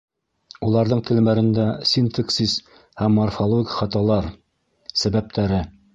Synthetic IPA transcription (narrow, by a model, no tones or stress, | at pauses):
ulˠɑɾðɤɴt̪ɘ̆lmæɾɘ̆nd̪æsʲint̪əksis | hæmːorfolˠoɡʲɪχɑt̪ɑlˠɑɾ | sæβæp̚t̪ʰæɾɘ